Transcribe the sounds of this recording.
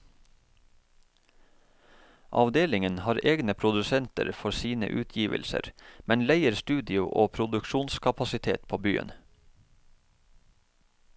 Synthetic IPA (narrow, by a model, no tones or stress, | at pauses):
ʔɑ̰ʋd̪eːlɪŋənhɑːɾʔeːɡnəpʰɾʊd̪ʉsɛnt̪ə̰ɾfɔsiːnə̰ʔʉːt̪ʰjiːʋə̰lsə̰ɾmɛnlæɪəɾst̪ʉːd̪ɪʊʔoːpʰɾʊd̪ʉkʃuːnskʰɑpɑsɪt̪ʰḛːt̪pʰoːby̰ːə̰n